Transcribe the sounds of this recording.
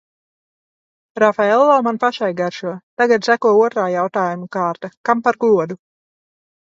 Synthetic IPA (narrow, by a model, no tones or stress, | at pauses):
ɾafaɛlˠːɔmanpaʃajɡaɾʃuɔt̪aɡat̪sækuɔuɔt̪ɾaːjawt̪aːjumukaːɾt̪akampaɾɡuɔd̪u